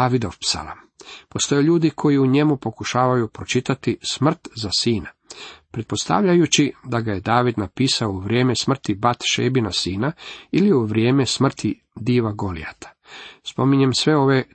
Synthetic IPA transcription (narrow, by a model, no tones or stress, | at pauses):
aʋid̪o̞fpsa̰la̰mpost̪o̞jeʎuːd̪ikʰo̞jiuɲe̞mupokuʃaːʋajupɾo̞t͡ʃit̪at̪ismr̩t̪zasiːnapɾe̞t̪̚po̞st̪a̰ʋʎajut͡ʃid̪aɡaje̞d̪aːʋid̪napiːsaouʋɾʲje̞ːme̞smr̩t̪ibat̪ʃḛːbinasiːnailiuʋɾjeːme̞smr̩t̪i | d̪iːʋaɡo̞lḭa̰t̪ʰḁspo̞miɲemsʋe̞o̞ʋe̞